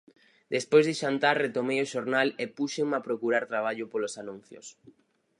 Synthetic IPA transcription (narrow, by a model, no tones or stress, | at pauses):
d̪espojzðeʃant̪aɾret̪omejoʃoɾnalepuʃeŋmapɾokuɾaɾt̪ɾaβ̞aʎʊpolosanũn̟θjo̰s